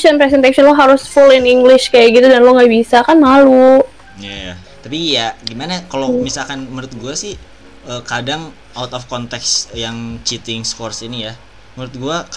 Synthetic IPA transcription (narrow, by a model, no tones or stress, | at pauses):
anpɾɛs̬ɛnt̪asɔnloɦaɾʊsfʊlɪniŋɡlɪʃkajaɡit̪udanloŋɡabisakanmalu | jaja | t̪apijaɡimanakalomisalkanməɾɪt̪̚ɡuasɪh | əːkadaŋ | awt̪ɔfkɔnt̪ɛksjaŋt͡ʃit̪ɪŋskɔrsinija | məɾɪt̪̚ɡua